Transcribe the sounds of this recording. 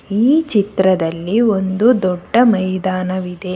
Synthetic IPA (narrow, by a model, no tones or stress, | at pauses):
iːt͡ʃit̪ɾɐd̪ɐlːio̞nd̪ud̪ɔɖːɐmɐjd̪aːnɐʋid̪e